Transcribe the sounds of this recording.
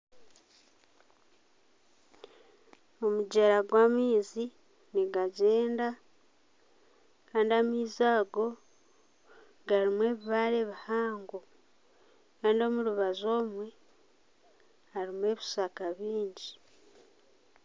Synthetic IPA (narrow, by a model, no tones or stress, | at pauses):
omuɟeɾaɡwamiːzi | niɡaɟe̞ːnda | kaːndiamiːzaːɡo̞ | ɡaɾimwe̞ːβiβaɾeβihaːŋɡo | kaːndio̞muɾuβazo̞ːmwe̞ | haɾimwe̞ːβisakaβiːɲɟi